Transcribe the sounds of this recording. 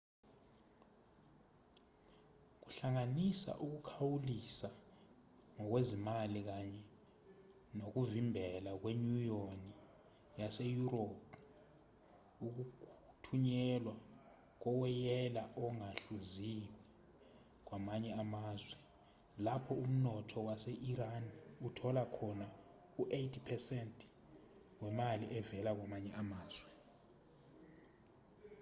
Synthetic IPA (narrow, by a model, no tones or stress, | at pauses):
k̬u̥ɬaŋanisa̰ʔuk̬ukʰawulisa | ŋɔk̬wezimalik̬aɲɛ | nok̬uvimbʱɛlak̬weɲujoni | jasejuɾopʰ | uk̬ukʰtʰuɲɛlwa | k̬ɔwɛjɛlaʔɔŋaɬuziwɛ | k̬wamaɲɛamaːzwɛ | lapʰɔum̩nɔtʰɔwaseʔiɾaniutʰɔlakʰɔna | uʔejtʰipʰɛsɛntʼ | wɛmaliʔɛvɛlak̬wamaɲɛʔamaːz̥wɛ